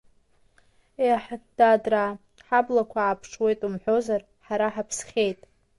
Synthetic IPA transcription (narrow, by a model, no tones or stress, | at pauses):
eħd̥adra | ħablakʷʰaːpʰʂwe̞jtʼumħʷo̞zar | ħaɾaħapʰsχʲejtʼ